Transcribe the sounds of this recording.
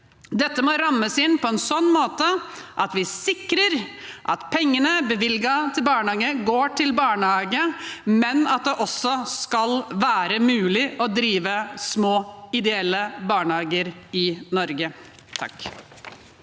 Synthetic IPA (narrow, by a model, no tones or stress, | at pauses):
d̪ɛt̪ːəmɔɾɑmːəsɪnːpʰɔɛnsɔnːmoːt̪əʔɑt̪ʋɪsɪkɾəɾʔɑt̪pʰɛŋːənəbəʋɪlɡɑt̪ʰɪlbɑːɳəhɑːɡəɡoːʈʰɪlbɑːɳəhɑːɡəmɛnɑt̪̚d̪ɛʔɔsːɔskɑlʋæːɾəmʉːlɪʔɔd̪ɾiːʋəsmoːɪd̪ɛɛlːəbɑːɳəhɑːɡəɾɪnɔɾɡə | t̪ʰɑ̰k